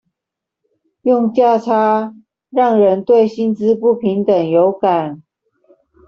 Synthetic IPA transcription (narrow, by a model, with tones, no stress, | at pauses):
jʊ˥˧ŋt͡ɕja˥˧ʈ͡ʂʰa˥ | ɻɑ˥˩ŋɻə˧˦nt̪we˥˩ɪɕi˥nt͡sɹ̩˦pu˥˩pʰi˨˧˥ŋt̪ə˨˩ŋjo˧˥ʊka˨˩˦n